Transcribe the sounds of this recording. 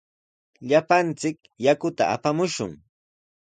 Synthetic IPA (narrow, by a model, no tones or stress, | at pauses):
ʎapant͡sɪk | jakʊt̪a̰a̰pamʊʃʊ̰ŋ